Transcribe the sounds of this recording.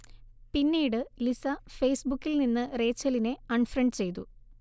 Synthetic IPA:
pinːijɽɨlisɐfejsbukːilninːɨre̞ːt͡ɕːɐline̞ɐɳfrɐɳɖt͡ɕe̞jt̪u

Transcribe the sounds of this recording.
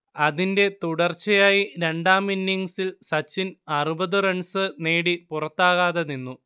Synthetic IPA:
ɐðinde̞t̪uɽɐrt͡ɕːɐjaːjiɾe̞ɳɖaːminːiŋsilsɐt͡ɕːinɐrubɐðɨrɐɳsɨne̞ːɽipurɐt̪ːaːɣaːðeninːu

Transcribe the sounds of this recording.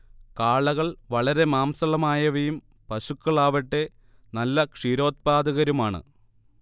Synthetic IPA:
kaːɭɐɣɐɭʋɐɭɐɾe̞maːmsɐɭɐmaːjɐʋɐjum | pɐɕukːɐɭaːʋɐʈːe̞ | nɐlːɐkʂiːɾo̞ːt̪̚paːd̪ɐɣɐɾumaːɳɨ̰

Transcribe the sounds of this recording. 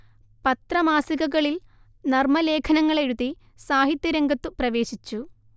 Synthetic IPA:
pɐt̪rɐmaːsiɣɐɣɐɭil | nɐrmɐle̞ːkʰɐnɐŋːɐɭe̞ɻuði | saːɦit̪ːjɐɾɐŋɡɐt̪ːɨprɐʋe̞ːɕit͡ɕːu

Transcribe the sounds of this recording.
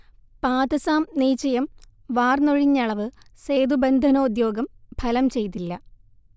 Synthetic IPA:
paːd̪ɐsaːmniːt͡ɕːɐjɐm | ʋaːrnoɻiɲːɐɭɐʋɨse̞ːd̪ubend̪ʱɐnɐud̪jo̞ːɡɐmb̥ʱɐlɐmt͡ɕe̞jt̪̬ːilːɐ

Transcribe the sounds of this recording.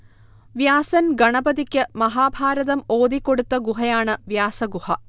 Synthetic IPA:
ʋjaːsɐnɡɐɳɐbɐðikʲːɨmɐɦaːbʱaːɾɐðɐmoːd̪ikːo̞ɽut̪ːɐɡuɦɐjaːɳɨʋjaːsɐɡuhɐ

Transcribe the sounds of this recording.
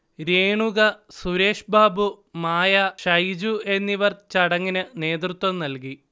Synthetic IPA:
ɾeːɳuɣɐsuɾe̞ːʂbaːbu | maːjɐʂɐjd͡ʑue̞nːiʋɐrt͡ɕɐɽɐŋːinɨne̞ːd̪rut̪wɐmnɐlki

